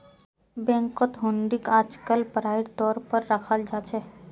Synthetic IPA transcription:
bɛ̃ːŋkot̪ɦõːɳɖɪkaːd͡ʒkəlpəɾaːɪɽt̪ɔːɾpəɾːəkʰəld͡ʒaːt͡ʃʰɛː

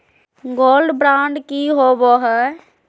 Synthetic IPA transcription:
ɡoːlɖbɾãːɳɖkiɦoboɦɛ

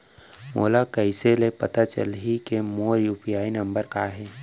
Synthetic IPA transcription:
mo̰ːlakəɪselepɐt̪at͡ʃə̰lɦikemoːɾjuːpijaːinɐ̃mbəɾkaɦɛː

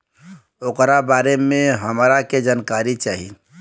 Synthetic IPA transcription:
oːkɾabaːɾemẽɦəmɾaked͡ʒaːnkaɾit͡ʃaːɦḭ

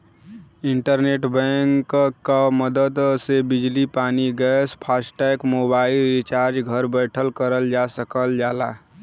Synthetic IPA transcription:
iɳʈəɾneʈbɛ̃ŋkkːaməd̪əd̪sebid͡ʒlipaniɡɛspʰasʈɛkmobaɪilɾit͡ʃaɾd͡ʒɡʱəɾbəjʈʰəlkəɾəld͡ʒasəkəld͡ʒaːla

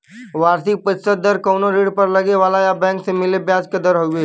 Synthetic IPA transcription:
ʋaːɾsik̚pət̪səd̪əɾkəwnoɾeːɽpəɾlɐɡeʋaːlajabɛ̃ːŋksemɪlebjãːd͡ʒked̪əɾɦoɡe

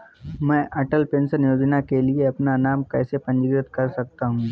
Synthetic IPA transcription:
mɛ̃ːʔɐʈəlpẽːnsəɾnjoːd͡ʒnakelieɐpnanaːmkɛːsepɐ̃ɲd͡ʒɪɡɾɪt̪kɐɾsɐk̚t̪aɦũː

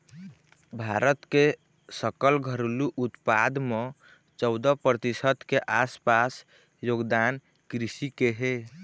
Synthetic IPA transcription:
bʱaɾət̪ke | səkəlɡʱəɾluʔut̪pad̪me | t͡ʃəʊd̪əpɾət̪isət̪keʔaspas | joɡd̪an | kɾisikeɦe

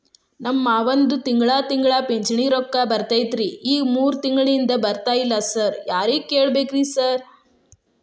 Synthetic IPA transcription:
nɐmːaːʋɐnd̪ut̪iŋɡɭaːt̪iŋɡɭaːpeɲt͡ʃɐɳiːɾɔkːaːbɐɾt̪ajt̪ɾiːiːɡmuːɾt̪iŋɡɐɭind̪ɐbɐɾt̪aːjilːasɐɾjaːɾiːkeːɭbeːkɾisɐɾ

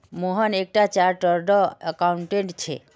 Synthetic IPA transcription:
moɦənek̚ʈat͡ɕaɾʈəɾɖɔəkawɳʈeɳʈt͡ɕʰḛ

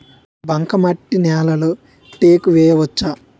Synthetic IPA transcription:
bɐŋkɐmɐʈːinɛːlɐlu | ʈeːkuʋɛːjɐʋɐt͡ʃːa

